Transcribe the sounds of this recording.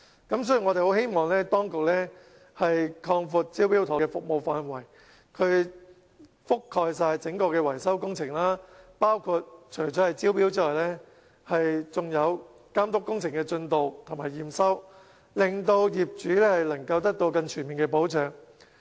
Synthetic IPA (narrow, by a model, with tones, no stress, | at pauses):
kɐ˨˥ms̬ɵː˨˥ji˨˩ŋɔ˨˧t̪e˨ho˨˥whe˥jmɔː˨ŋlɛː˥t̪ɔː˥ŋkʊ˨k̚lɛː˥ | hɐ˨jkʰɔː˧ŋfuː˧t̚t͡siː˥wpiː˥wt̪ʰːkɛː˧fʊ˨k̚mo˨wfaː˧nwɐ˨˩j | kʰɵ˨˧ɥ | fʊ˥kʰːɔː˧js̬aː˧jt͡sɪ˨˥ŋkɔː˧kɛː˧wɐ˨˩jsɐ˥wkʊ˥ŋt͡sʰɪ˨˩ŋlaː˥paː˥wkʰu˧t̚t͡ʃʰɵ˨˩jt͡sɔː˨˥hɐ˨jt͡siː˥wpiː˥wt͡siː˥lɔː˨˩jlɛː˥ | hɐ˨jt͡sʊ˨ŋjɐ˨˧w | kaː˥mt̪ʊ˥kːʊ˥ŋt͡sʰɪ˨˩ŋkɛː˧t͡ʃɵ˧nt̪o˨wt̪ʰmaː˨˩jːiː˨msɐ˥w | lɪ˨ŋt̪o˧wjiː˨p̚t͡ʃyː˨˥lɛː˥hɐ˨jlɐ˨˩ŋkɐ˧wt̪ɐ˥k̚t̪o˧wkɐ˧nt͡ʃʰyː˨˩nmi˨nkɛː˧po˨˥wt͡ʃœː˨˧ŋ